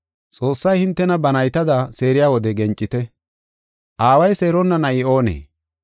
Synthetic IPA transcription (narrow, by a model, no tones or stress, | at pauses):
t͡sʼo̞ːsːɐjhɪnt̪ːɛnɐbɐnɐjt̪ɐd̪ɐse̞ːɾɪjaːwɔd̪ɛɡɛnt͡ʃʼːɪt̪ɛ | ʔaːwɐjseːɾɔnːɐnɐʔɪo̞ːnḛː